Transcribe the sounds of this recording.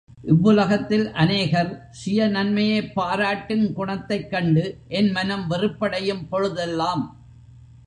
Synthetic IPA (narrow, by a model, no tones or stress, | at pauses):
ʔɪʋːɯlɐɣɐt̪ːɪlʔɐneːɣɐɾ | sɪjɐnɐnmɐjeːpːaːɾaːʈːɪnkʊɳɐt̪ːɐɪkːɐɳɖɯʔɛnmɐnɐmʋɪrɯpːɐɽɐjɯmpɔɻɯðɛlːaːm